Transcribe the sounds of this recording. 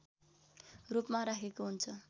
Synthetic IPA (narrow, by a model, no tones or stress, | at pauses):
rupmaɾakʰekoɦunt͡sʰʌ